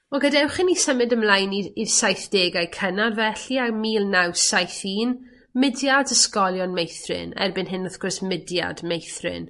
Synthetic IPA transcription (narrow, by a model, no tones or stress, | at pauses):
ɔɡədɛwχɪnːisəmɨdəmlˠajniirsajθd̥eːɡajkʰənarvɛɬiamiːlˠnawsajθiːn | mɪdjadəskɔlˠjɔnmejθrɪ̰nɛ̰rbɨnɦɪnɔθɡ̥ʊrsmɪdja̰dmejθrɪ̰n